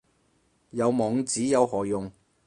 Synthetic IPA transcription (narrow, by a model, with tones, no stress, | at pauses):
jɐ˨˧wmɔː˨˧ŋt͡siː˨˥jɐ˨˧whɔː˨˩jʊ˨ŋ